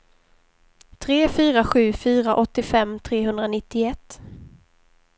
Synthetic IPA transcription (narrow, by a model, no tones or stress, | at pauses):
t̪ʰɾeːfyːɾaɧʉ̟ːfyːɾaʔɔt̪ːɪfɛmːt̪ʰɾeːɦɵnd̪ɾanɪt̪ːɪɛt̪ː